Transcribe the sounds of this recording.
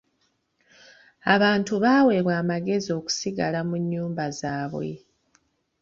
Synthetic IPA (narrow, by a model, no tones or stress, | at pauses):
aβaːntuβaːwe̞βwaːmaɡe̞zio̞ku̥siɡalamuɲːuːmbazaːβwḛ